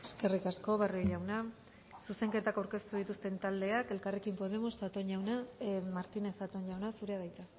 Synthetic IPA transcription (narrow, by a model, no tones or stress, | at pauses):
e̞ske̞rikasko̞βaroʎawna | suse̞ŋke̞t̪akawɾke̞st̪uðit̪ust̪e̞nt̪ald̪e̞ake̞lkare̞kimpo̞ð̞e̞most̪at̪o̞ɲʝawnamaɾt̪ine̞sat̪o̞ɲʝawnasuɾe̞aðajt͡s̪a